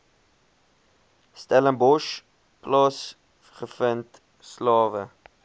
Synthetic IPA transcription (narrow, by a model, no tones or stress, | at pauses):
stɛlənbɔʃ | klɑːs | χəfənt | slɑːvə